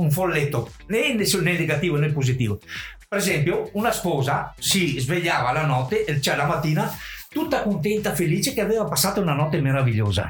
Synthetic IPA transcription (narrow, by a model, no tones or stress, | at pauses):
uɱfolːet̪ːo | nɛnsnɛneɡat̪iːvonɛpːozit̪iːvopeɾezɛmpjounaspɔːzasizveʎːaːvalanɔt̪ːeʔt͡ʃɛlamat̪ːiːnat̪ut̪ːakont̪ɛnt̪afeliːt͡ʃekeaveːvapasːaːt̪ounanɔt̪ːemeɾaviʎːoːza̰